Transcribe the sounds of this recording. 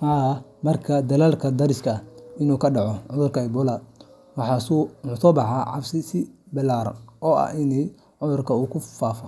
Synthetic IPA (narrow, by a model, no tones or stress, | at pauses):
haːmɐrkʰɐd̪ɐlaːlkʰɐd̪ɐɾɪskʰɐɪnuːkʰɐɖɑʕɔʕʊðʊrkʰɐɛbɔlaːd̪ | wɑħɑːsuʊsɔbɑʕɑːʕɑ̰bsɪsɪbɪlaːɾɐ̰nʔɔːɐ̰ʔɪnɛj | ʕʊðʊrkʰɐuːkʰʊfaːfɔ